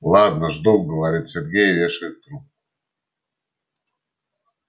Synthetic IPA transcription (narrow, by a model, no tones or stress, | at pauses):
lˠɑd̪nəʐd̪oɡəvaɾʲit̪sʲerʲɡʲejevʲeʃɨt̪ɾu